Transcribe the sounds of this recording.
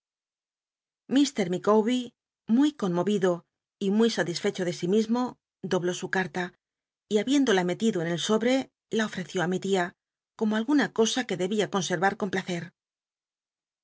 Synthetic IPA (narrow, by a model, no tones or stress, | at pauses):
mist̪e̞ɾmikowβi | mujko̞nmo̞βiðo̞ | imujsat̪isfe̞t͡ʃo̞ðe̞simizmo̞ | d̪o̞β̞lo̞sukaɾt̪a | iaβje̞nd̪o̞lame̞t̪iðoene̞lso̞βɾe̞ | laofɾe̞θjo̞amit̪ia | ko̞moalɣunako̞sake̞ðe̞βiako̞nse̞ɾβaɾko̞mplaθe̞ɾ